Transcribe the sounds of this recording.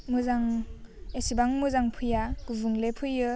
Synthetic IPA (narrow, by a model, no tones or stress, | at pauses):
muzaŋesibaŋmuzaŋpʰɯjaɡ̥uvɯŋlepʰɯjɯ